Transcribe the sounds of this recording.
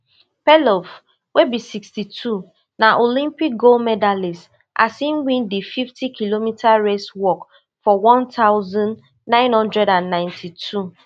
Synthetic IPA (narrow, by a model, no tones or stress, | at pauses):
pɛlɔf | wʔebisikstitʰu | naʔolĩmpik̚ɡolmɛdalis | ʔa̰sĩnwĩndififtʰikʰilomitʰaɹeswɔk | fɔwɔ̃ntaʊzɔ̃n | nãɪ̃nhɔ̃ndɹɛdãnːãɪ̃ntʰitʰu